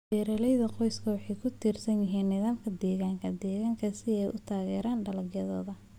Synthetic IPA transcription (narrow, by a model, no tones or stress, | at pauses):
bɛːɾɐlɛjðɐqɔjskʰɐwɑħɑjkʰʊt̪ʰiːrsɐnjɪɦiːnːɪðaːmkʰɐd̪ɛːɣaːŋkʰɐd̪ɛːɣaːŋkʰɐsɪɛjʔʊt̪ʰaːɣɛːɾaːnɖɐlɐɡjɐðɔ̰ːðɐ